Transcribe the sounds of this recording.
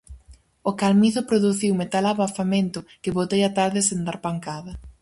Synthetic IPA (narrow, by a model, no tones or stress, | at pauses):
okalmiθʊpɾoðuθiwmet̪alaβafamẽnt̪ʊkɪβot̪ejat̪aɾðɪsend̪aɾpaŋkaðɐ